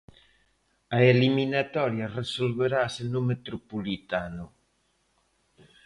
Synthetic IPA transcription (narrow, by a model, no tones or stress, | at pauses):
ɐeliminat̪ɔɾjɐresolβeɾaːsenʊmet̪ɾopolit̪anʊ